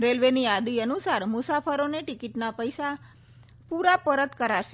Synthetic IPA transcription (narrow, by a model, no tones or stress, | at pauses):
ɾelʋenijad̪iənusaɾmʊsafəɾoneʈikiʈnapəjsa | puɾapəɾət̪kəɾaʃe̥